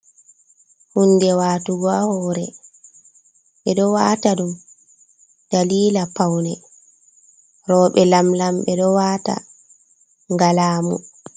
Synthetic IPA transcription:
hundɛwaːtuɡɔahɔːɾɛ | ɓɛɗɔwaːtaɗum | d̥aliːlapawnɛ | ɾɔːɓɛlamlamɓɛɗɔwaːta̰ | ŋɡalaːmṵ

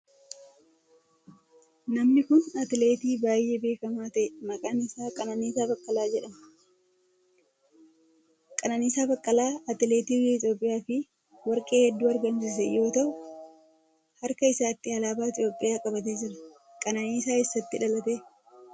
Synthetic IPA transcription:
nɐmnɪkʊnɐt̪ɪle̞ːt̪iːbaːjːe̞ːbe̞ːkɐmaːt̪ɐʔɛmɐkʼaːnɪsaːkʼɐnɐniːsaːbɐkʼːɐlaːd͡ʒɛᶑɐmɐ̥ | kʼɐnɐniːsaːbɐkʼːɐlaːɐt̪ɪle̞ːt̪iːɪt̪jo̞ːpʼːɪjaːfɪ | wɐɾkʼe̞ːhɛd̪ːuːɐɾɡɐms̬ɪs̬ɛjo̞ːt̪ɐʔʊ | hɐɾkɐɪsaːt̪ːɪɐlaːbaːɪt̪ɪjo̞ːpʼːɪjaːkʼɐbɐt̪̬eːd͡ʒɪɾɐ | kʼɐnɐniːsaːɪsːɐt̪ːɪᶑɐlɐt̪e̞ː

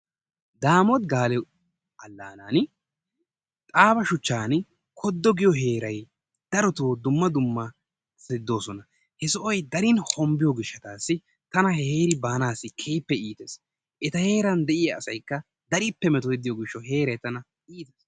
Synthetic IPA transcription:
d̪aːmɔt̪ɡaːlɛ | ɐlːaːnaːn | t̪ʼaːbɐʃʊt͡ʃːaːn | kʰɔd̪ːɔɡɪjɔɦe̞ːɾɐj | d̪̥ɐɾɔt̪oːd̪ʊmːɐd̪ʊmːɐ | sɪd̪ːo̞ːsɔnɐ | hɛsɔʔɔjd̪ɐɾɪnhɔmbɪjɔɡɪʃːɐt̪aːsːɪ | t̪ɐnɐheːɾɪbaːnaːsːɪkʰejpːɛiːt̪eːs | ʔɛt̪ɐhe̞ːɾɐnd̪ɛʔɪjɐːsɐjkːɐ | d̪ɐɾɪpːɛmɛt̪ɔɪd̪ɪjɔɡɪʃːɔɦe̞ːɾɐjt̪ɐnɐ | ʔiːt̪es

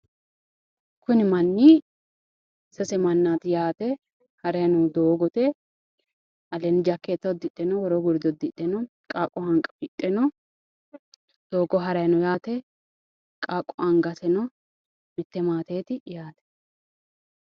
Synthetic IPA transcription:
kʊnɪmɐnːi | sɛsɛmɐnːaːt̪ɪjaːt̪ɛ | hɐɾɐjnʊd̪oːɡɔt̪ɛ | ʔɐlɛnɪd͡ʒɐkːeːt̪ːɐd̪ɪt̪ʼːɛnɔwɔɾɔɡʊɾd̪ɔd̪ɪt̪ʼːɛnɔ | kʼaːkʼːɔhɐŋkʼɐ̥fɪt̪ʼːɛnɔ | d̪̥o̞ːɡɔɦɐɾɐjnɔjaːt̪ɛ | kʼakʼːɔʔɐŋɡɐsɛnɔ | mɪt̪ːɛmaːt̪eːt̪ɪjaːt̪ɛ̥

